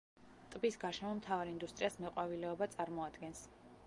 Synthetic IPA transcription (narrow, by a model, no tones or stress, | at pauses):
t̪ʼbisɡaʃɛmɔmt̪ʰavaɾind̪ust̪ʼɾiasmɛqʼwavilɛɔbat̪sʼaɾmɔad̪ɡɛns